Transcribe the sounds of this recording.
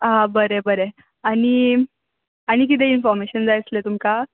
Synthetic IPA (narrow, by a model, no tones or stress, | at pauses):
ɦabəɾebəɾe | aɽ̃i | aɽ̃ik̬it̪̬einfɔɾmeɕənd͡zajt͡slet̪umka